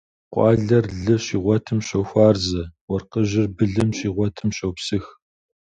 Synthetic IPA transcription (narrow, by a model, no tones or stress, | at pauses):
qʷʼɑːɮɐrɮɨɕiːʁʷɔtʰɨmɕɐwxʷaːrzɐwɐrqəʑɪrbɨɮɨmɕiːʁʷɔtʰɨmɕɐwpsɨx